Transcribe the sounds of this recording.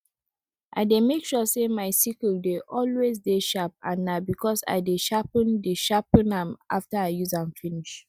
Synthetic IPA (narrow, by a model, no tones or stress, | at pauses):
ʔa̰ɪdemekʃɔsemaɪsikəldeʔɔlwezdeʃap̚ã̰nːabikʰɔsa̰ɪdeʃapə̃ndeʃapnãmʔa̰ftaaɪjuzãnfiniʃ